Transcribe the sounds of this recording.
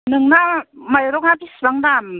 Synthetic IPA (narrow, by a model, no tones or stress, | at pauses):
nɯŋnamajɾɔk̚nabisbaŋdam